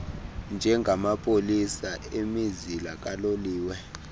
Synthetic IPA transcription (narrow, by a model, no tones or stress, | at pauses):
nd͡ʒʱɛŋɡʱamapʼolisaemizilak̬ʼaloliːwɛ